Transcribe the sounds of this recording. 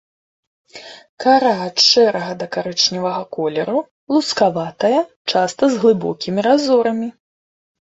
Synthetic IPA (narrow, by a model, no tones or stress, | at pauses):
kaɾaʂt͡ʂɛɾɐɣɐd̪ɐkaɾɛt͡ʂnʲivɐɣɐkɔlʲɛɾu | lˠuskavat̪ɐjɐ | t͡ʂast̪ɐzɣlˠɨbɔ̰kʲimʲiɾazɔɾɐmʲi